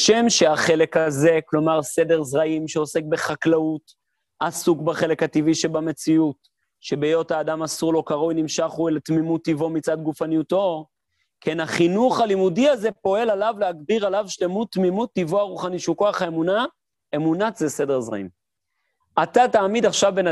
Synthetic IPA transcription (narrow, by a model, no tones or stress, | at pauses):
ʃe̞mʃeaχe̞le̞khaze̞klo̞maʁse̞de̞ʁzʁaimʃeo̞se̞k̚be̞χaklaut | asukbaχe̞le̞khat̪iviʃebame̞t͡siut | ʃe̞bejo̞taːdamasuʁlo̞kaʁojnimʃaχuelt̪mimut̪ːivo̞mit͡sadɡufanijuto̞ | kʰenaχinuχalimudiaze̞po̞e̞lalavleaɡdiʁalavʃle̞mut̪mimut̪ːivoaʁuχaniʃuko̞aχhaemuna | e̞munatzese̞de̞ʁzʁa̰im | at̪ataːmid̪aχʃavbena